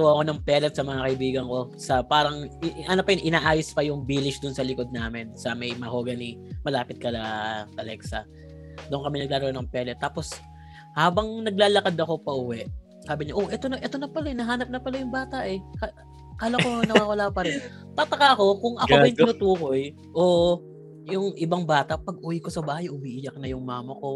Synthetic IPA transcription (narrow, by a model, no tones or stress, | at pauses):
wɐʔko̞nɐŋpɛlɛt̪̚sɐmɐŋakɐɪbiːɡɐŋko̞sɐpaːɾɐŋʔɐnopɐjʊnʔɪnaːʔaːjospɐjʊŋbiːlɪʃd̪ʊnsɐlɪko̞d̪̚naːmɪnsɐmɐjmɐho̞ːɡɐnimɐlaːpɪt̪̚kɐlɐt̪ɐlɛksɐ̰ | d̪ʊʔnŋkɐmɪnɐɡ̚laːɾɐʔonɐŋpɛlɛt̪ːaːpo̞s | haːbɐŋnɐɡ̚laːlɐkad̪ɐko̞pɐʔuwɛʔ | saːbɪɲaʔo̞ʔɛt̪onɐʔɛt̪onɐpɐlaɛnɐɦaːnɐp̚nɐpɐlɐjʊŋbaːt̪ɐʔɛka | kaːlɐkonɐwaːwɐlaːpɐɾɛn | t̪ɐt̪ɐkaʔɐko̞kʊŋʔɐkobɐjt̪ɪnuːt̪uːko̞j | ʔoːʔ | jʊŋʔɪbɐŋbaːt̪ɐpɐɡ̚ʔuwiko̞sɐbaːhɐjʔʊwiʔɪjɐk̚nɐjʊŋmaːmɐko̞